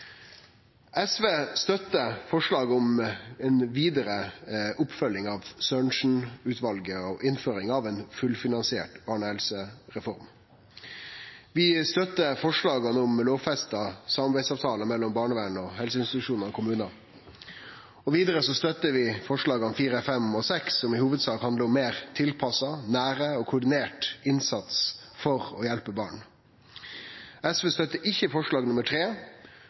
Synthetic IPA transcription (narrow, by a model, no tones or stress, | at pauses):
ɛsʋeːst̪œt̪ːəfɔʂɭɑːɡɔmɛnʋiːd̪əɾəʔʊpfœlːɪŋɑʋsœːɳʂɳ̩ʉːt̪ʰʋɑlɡəɔʔɪnføːɾɪŋɑʋeːnfʉlfɪnɑnsɪḛːʈb̥ɑːɳəhɛlsəɾɛfɔɾm | ʋɪst̪œt̪ːəfɔʂɭɑːɡɑnɔmloːʋfɛst̪ɑsɑmɑbæɪsɑːʋt̪ʰɑːləmɛlːɔmbɑːɳəʋæːɳɔhɛlsəɪnst̪ɪt̪ʉʂuːnəɾɔkʰʊmʉːnɑ | ɔʋiːd̪əɾəsɔst̪œt̪ːəʋɪfɔʂɭɑːɡɑnfiːɾəɛfɛmɔsɛksːɔmɪhuːʋəd̪sɑːkhɑnd̪əɔmːeːɾt̪ʰɪlpʰɑsɑnæːɾəɔkʰʊɖɪneːʈɪnsɑt̪s | fɔɾɔjɛlpəbɑːɳ | ɛsʋest̪œt̪əʔɪçːəfɔʂɭɑːɡnʊməʈʰɾeː